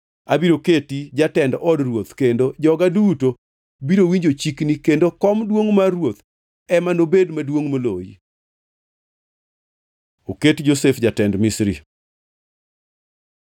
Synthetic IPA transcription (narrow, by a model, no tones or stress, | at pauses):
abiɾoketid͡ʒatɛndɔdrwot̪kendod͡ʒɔɡaduto | biɾowiɲd͡ʒot͡ʃiknikendokɔmdwoŋmarwot̪ | ɛmanobedmadwoŋmolojḭ | oketd͡ʒosefd͡ʒatɛndmisɾḭ